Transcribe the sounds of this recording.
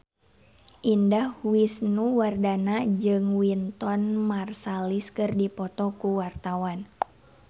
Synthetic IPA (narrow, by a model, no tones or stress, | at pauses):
ʔindahwisnuwardanad͡ʒɨŋwint̪ɔnmarsaliskɨrdipɔt̪ɔkuwart̪awan